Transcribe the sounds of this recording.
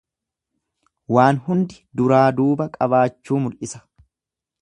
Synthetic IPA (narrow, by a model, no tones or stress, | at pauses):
waːnhʊnd̪ɪd̪ʊɾaːd̪uːbɐkʼɐbaːt͡ʃːuːmʊlʔɪsɐ̥